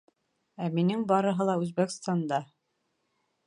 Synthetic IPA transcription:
æminɘŋbɑɾɤ̆ɦɤlˠɑʉzbækst̪ɑnd̪ɑ

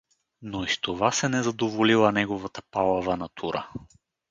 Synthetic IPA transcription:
noist̪ovasɛnɛzɐd̪ovolilˠənɛɡovɐt̪əpalˠɐvɐnɐt̪ʰuɾə̰

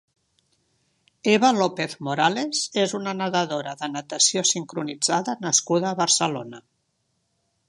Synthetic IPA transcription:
eβəlopeθmoɾalezezunənəðəðoɾəðənət̪əsiosiŋkɾunid͡zaðənəskuðəːβəɾsəlonə

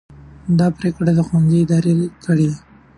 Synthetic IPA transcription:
d̪ɑpɾekɽad̪əxwanziɪd̪ɑɾekʰəɽi

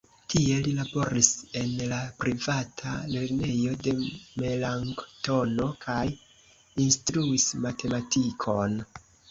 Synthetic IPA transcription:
tʰie̞lilabo̞ɾise̞nlapɾivatʰale̞ɾne̞jo̞de̞me̞laŋkto̞no̞kʰaj | instɾuismatʰe̞matʰikʰo̞n

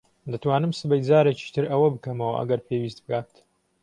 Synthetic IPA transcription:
d̪ɐt̪waːnɨmsɨbɐjd͡zaːɾet͡ʃi̥t̪ʰɨɾɐwɐbɨkɐmɐwɐ̰ʔɐ̰ɡɐɾpʰeːwiːst̪̚bɨɡaːt̪

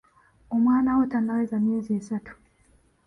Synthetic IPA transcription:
o̞mwaːnawotanːawezamje̞ːziesatu̥

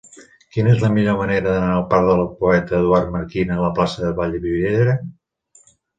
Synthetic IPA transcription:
kinəezləmiʎoməneɾəðənaəlˠpaɾðələpuɛt̪əːðuart̪məɾkinəːləplasəðəβaʎəβiβeðɾə

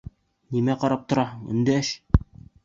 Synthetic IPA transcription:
nimæqɑɾɑp̚t̪ŏɾɑɤɴɘ̰̆nd̪ææʃ

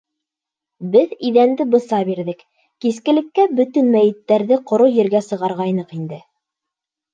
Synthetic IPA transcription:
bɘðiðænd̪ɘbɤ̆sɑbiɾðɘk | kiskɘ̆lɘ̆kːæbɵ̆t̪ɵnmæjɘ̆t̪ːæɾðɘqŏɾojɘ̆ɾɡæsɤ̆ʁɑɾʁɑjnɤqind̪ɘ

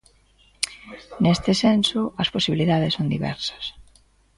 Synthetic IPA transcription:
nest̪ɪsensʊɐsposiβiliðaðɪsːond̪iβɛ̰ɾsɐ̥s

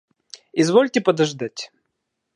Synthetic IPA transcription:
ɪzvolʲtʲɪpəd̪ɐʐd̪atʲ

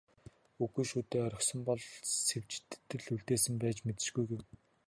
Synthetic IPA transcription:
uɣuːʃuːt̪eːœɾʲɞ̆χsɞ̆mpɔɮsew̥t͡ɕt̪ːɘ̆ɮuɮt̪eːsɘ̆mpæːt͡ɕmet̪ɘ̆ʃɡujɡew

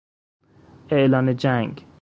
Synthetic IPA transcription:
eʔlɑːned͡ʒæŋɡ

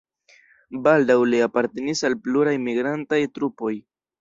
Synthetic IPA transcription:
baldawliapaɾte̞nisalpluɾajmiɡɾantajtɾupo̞j

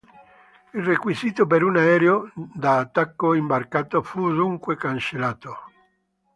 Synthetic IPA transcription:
ilrekwiziːt̪opeɾunaɛɾeod̪aːt̪ːakːoimbarkaːt̪ofud̪uŋkwekant͡ʃelaːt̪o

